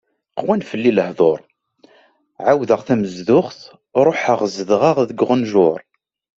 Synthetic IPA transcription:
qwænfəlːiləhðˤoɾˤ | ʕawðəʁθæməzðʊχθ | ɾˤoħəʁzəðʁaʁðəɡʁənʒʊɾˤ

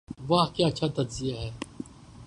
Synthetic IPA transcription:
ʋɐɦkjaːɐtːʃʰat̪ɐdzɪjaɦɛː

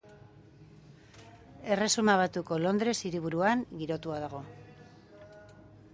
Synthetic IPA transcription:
e̞re̞sumaβ̞at̪uko̞lo̞nd̪ɾe̞siɾiβ̞uɾuaŋɡiɾo̞t̪uaðaɣ̞o̞

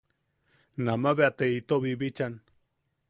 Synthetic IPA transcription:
namaβeat̪eit̪oβiβit͡ʃan

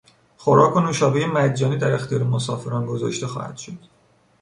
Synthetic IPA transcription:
xoɾɒːkʰonoʃɒːbejemæd̪d͡ʒːɒːniːd̪æɾe̞xt̪ijɒːɾemosɒːfe̞ɾɒːnɡozɒ̰ːʃt̪e̞xɒ̰ːhæ̰d̪̥ʃod̪̥

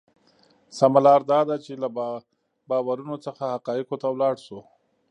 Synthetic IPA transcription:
samalɑɾd̪ɑd̪at͡ʃela | bɑwaɾunot͡səxahaqɑjɪqot̪awlɑɽʃo

